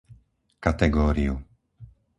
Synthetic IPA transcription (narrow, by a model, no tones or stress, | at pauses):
kat̪ɛɡɔːɾiu